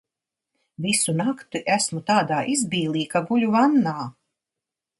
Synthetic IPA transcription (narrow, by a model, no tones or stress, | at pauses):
visunakt̪iʔæsmut̪aːd̪aːʔizbiːlˠiːkaɡuʎʲuvanːaː